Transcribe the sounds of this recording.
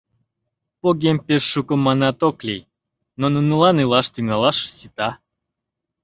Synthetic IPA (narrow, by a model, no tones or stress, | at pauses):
poɡʲemʲpʲeʃːukə̆mːɑnɑt̪oklʲej | nonunulˠɑnɨlˠɑʃt̪yŋɑlˠɑʃə̥sit̪ɑ